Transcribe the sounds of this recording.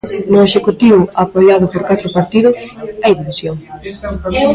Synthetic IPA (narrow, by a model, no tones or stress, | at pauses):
nʊeʃekut̪iβʊapoʎaðʊpoɾkat̪ɾʊpaɾt̪iðʊsajðiβisjoŋ